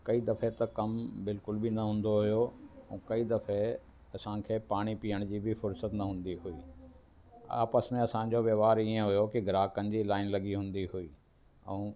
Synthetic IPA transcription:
kɐid̪ɐfet̪ɐkɐmbɪlkʊlbɪnɐɦũːn̆d̪oɦʊjoɛ̃kɐid̪ɐfe | ɐsãkʰeːpaːɽ̃ipijəɽ̃d͡ʑiːbʱɪfʊɾsət̪nɐɦũːn̆d̪iɦuiː | a̰ːpəsmẽɐsã̆d͡ʑoʋjɐʋaːɾiẽɦʊjokiɡʱɾaːkənɪ̆d͡ʑiːlaːɪnlɐɠiɦũːnd̪iɦuiː | ɛ̰̃ː

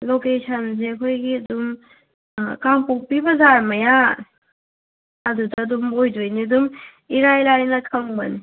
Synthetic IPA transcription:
lokesʰɐns̬eɐkʰojɡiɐdum | kampok̚pibɐzaɾmɐja | ɐdutɐːdumojd͡ʒojnidum | iɾajlajnɐkʰɐmbɐ̰ni

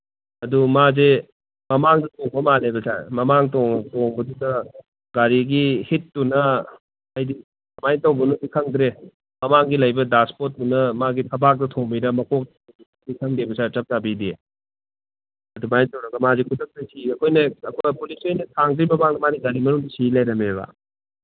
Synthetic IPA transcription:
ɐdumaze | mɐmaŋdɐtoŋbɐmalebɐsa̰ɾmɐmaŋtoŋtoŋbɐdudɐ | ɡaɾiɡihitːunɐ | ɐjdi | majntɐwbɐnusikʰɐŋdɾe | mɐmaŋɡilɐjbɐdaspot̚ːunɐmaɡitʰɐbak̚dɐtʰoŋbiɾɐmɐkʰok̚tɐ | i | sikʰɐŋdebɐsat͡ʃɐp̚zabidi | ɐdumajntɐwɾɐɡɐmazikʰudɐk̚dɐsiɐkʰojnɐɐkʰojpulisojnɐtʰaŋdɾimɐmaŋnɐmaniɡaɾimɐnuŋdisilajɾɐmeβa̰

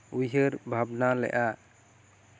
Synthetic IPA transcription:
ujɦəɾbʱabnalɛ̰ʔa

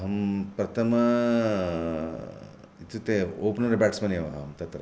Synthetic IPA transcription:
ɦɐmpɾɐt̪ʰɐmɐ | it̪ut̪eoːpnɐɾibaːʈsmɐnjɐʋɐɦɐ̰ːɐmt̪ɐt̪ɾɐ

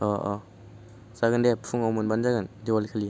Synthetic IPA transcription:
ɔʔɔ | zaɡɯndepʰuŋawmɯnbanzaɡɯndiwalkʰali

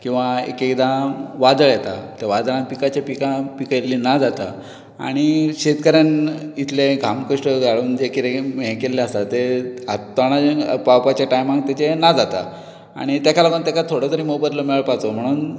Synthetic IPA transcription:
kĩw̃ʋaḛkekd̪ãʋad̪əɭjɛt̪a̰t̪eʋad̪ɭãnpikat͡ɕapikapikəjlːiːnad͡zat̪a̰ | a̰ɽ̃iɕet̪kəɾjanit̪ʰleɡʱamkəʂʈəɡʱaɭuːnd͡ʑekit̪eɦekelːeəst̪at̪eat̪ːaɽ̃apawpat͡ɕjaʈajmãŋk̚t̪jat͡ɕenad͡zat̪a̰ | a̰ɽ̃it̪jakʰalaɡənt̪jakat̪ʰoɽat̪əɾiːmopəɾləmiɭəɭpat͡som̤əɽ̃uːn

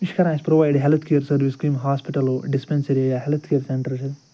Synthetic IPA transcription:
ʋiʃkɐɾãːspɾoʋajɖɦelt̪ʰkejɐɾsɐɾʋiskɾiːmɦaːspiʈɐloɖispẽnsɐɾejaɦelt̪ʰkejɐɾsẽɳʈɐɾt͡ʃʰɐd̪

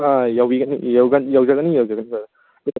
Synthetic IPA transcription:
ajawiɡɐnḭjawɡɐnjawd͡ʒaɡɐnijawd͡ʒaɡɐniba

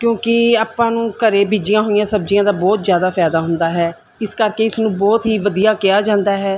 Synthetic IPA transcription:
kjõːkɪaːpãːnũːkəɾeːbiːd͡ʒɪjãːɦoːijãːsəb̚d͡ʒɪjãːd̪aːbɔːt̪zjaːd̪aːpʰɛːd̪aːɦʊnd̪aːɦɛː | ɪskəɾkeːɪsnũːbɔːt̪ɦiːʋəd̪ijaːkɪaːd͡ʒãːnd̪aːɦɛː

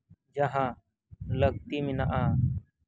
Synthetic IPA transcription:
d͡ʒaɦã | ləɡ̚t̪imɪnaʔa

